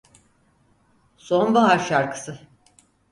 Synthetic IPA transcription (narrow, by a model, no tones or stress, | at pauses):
sonbaɦaɾʃaɾkʰɯ̥sɯ